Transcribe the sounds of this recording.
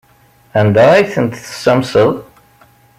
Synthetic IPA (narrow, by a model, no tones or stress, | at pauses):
ænd̪æjθənt̪θə̥samsəð